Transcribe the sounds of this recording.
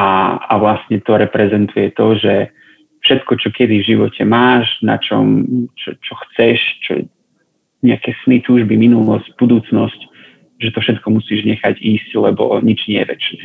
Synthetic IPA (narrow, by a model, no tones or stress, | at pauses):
aa̰ʋlasɲɛt̪ɔɾɛpɾɛzɛnt̪ujɛt̪ɔʒɛ | fʃɛt̪kɔt͡ʃɔkɛd̪ivʒiʋɔcʰɛmaːʒna̰t͡ʃɔ̰mt͡ʃɔ̰t͡ʃɔxt͡sɛʃt͡ʃɔ̰ɛ | ɲɛakɛsnit̪uːʒbiminulɔsɟbud̪uːt͡snɔsc | ʒɛt̪ɔfʃɛt̪kɔmusiːʒɲɛxaɟiːsclɛbɔ̰ɲid͡ʒɲɛjɛʋɛ̰t͡ʃnɛː